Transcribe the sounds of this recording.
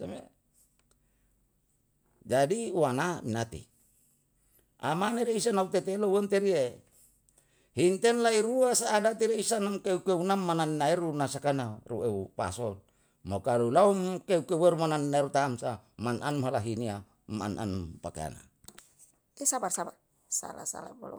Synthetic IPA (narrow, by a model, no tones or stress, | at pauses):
same | d͡ʒadiuwanaminat̪ḭ | ʔa̰maneɾeisanaut̪et̪elowent̪eɾie | hint̪ɛnlaiɾuasaːdat̪iɾeisanamkeukeunamːananinaeɾunasakanarueupa̰sɔn | mokalulaumkeukeuweɾumananinaeɾut̪amsamanʔanmɦalaɦinia | ma̰nʔa̰npakḛa̰na̰ | esabarsaba | sa̰la̰sa̰la̰bo̰l̰